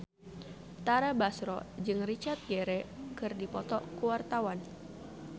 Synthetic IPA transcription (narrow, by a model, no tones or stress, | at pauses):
t̪aɾabasɾɔ̰d͡ʒɨŋrit͡ʃart̪̚ɡɛɾɛkɨrdipɔt̪ɔkuwart̪awan